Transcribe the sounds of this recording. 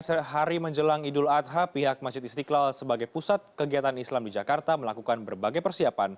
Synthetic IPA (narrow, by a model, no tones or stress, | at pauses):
səɦaɾiməɲd͡ʒəlaŋidʊlat̪ɦapiɦak̚mad͡ʒɪt̪̚ist̪iklalsəbaɡajpusat̪̚kəɡiat̪anislamdid͡ʒakart̪aməlakukanbərbaɡajpərsiapan